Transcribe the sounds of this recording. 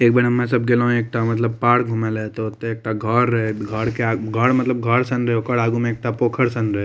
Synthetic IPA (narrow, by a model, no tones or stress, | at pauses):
eːk̚beɽɐmːẽsɐb̚ɡelaɦũeːk̚ʈamɐt̪ləb̚paːɽɡʱumeleet̪ot̪ːeeːk̚ʈaɡʱəɾːəɦeɡʱəɽkeaɡʱəɽmɐt̪ləb̚ɡʱəɽsənɾəɦokəɽaːɡumẽeːk̚ʈapoːkʰəɽsə̃nɾɐe